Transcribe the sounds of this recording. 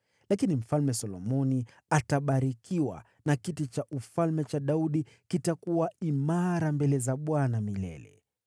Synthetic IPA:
lakinim̩falmɛsɔlɔmɔni | ataɓaɾikiwa̰ | nakitit͡ʃaʔufalmɛt͡ʃaɗauɗi | kitakuwaimaɾambɛlɛzaɓwanamilɛ̰lɛ̰

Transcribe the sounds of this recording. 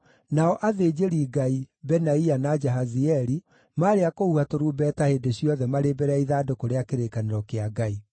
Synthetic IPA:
naɔʔaðed͡ʒeɾiːɡaibɛnaianad͡ʒɛɦaziɛɾi | maːɾeakohuatoɾuːbɛːtahedeɕjɔðɛmaɾebɛɾaiðaːdokoɾeakeɾekaneɾɔkeaɡai

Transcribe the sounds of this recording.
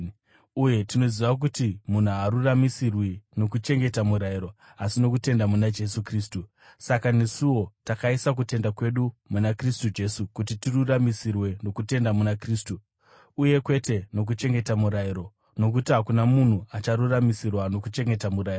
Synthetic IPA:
uje̞tino̞ziʋak̬utimun̤uaɾuramisirwino̞kut͡ʃe̞ŋɡe̞tamuɾaiɾo̞ | asino̞kute̞ndamunad͡ʒe̞sukriːstu | sakane̞siwo̞takaisak̬ute̞ndakwe̞ɗumunakristud͡ʒe̞sukutitiruramisirwe̞no̞kute̞ndamunakriːstuː | je̞kwe̞te̞no̞k̬ut͡ʃe̞ŋɡe̞tamuɾajiɾo̞ | no̞kutiɦakunamun̤uat͡ʃaɾuramisirwano̞kut͡ʃe̞ŋɡe̞tamuɾairo

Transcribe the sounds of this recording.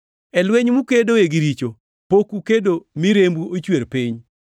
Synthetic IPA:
ɛlweɲmukedoeɡiɾit͡ʃo | pokukedomiɾembuʔot͡ʃweɾpiɲ

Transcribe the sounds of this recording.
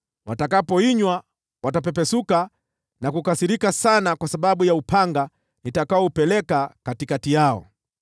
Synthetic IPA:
watakapɔiɲwa | watap̬ɛpɛsuka | nakukasiɾikasanakwasaɓaɓujaupʰaŋɡa | nitakaɔupɛlɛkakatikatijaɔ̰

